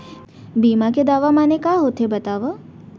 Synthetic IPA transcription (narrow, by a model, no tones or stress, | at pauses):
biːmaked̪aːʋamaːnekaːɦoːt̪ɦebɐt̪aːʋa